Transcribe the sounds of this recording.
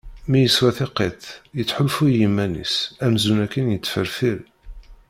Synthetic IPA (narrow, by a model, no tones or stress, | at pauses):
mijəswæθɪqeθjət͡sːħʊlfujimːænḭsæmzunækːənjət͡sːfəɾfiɾ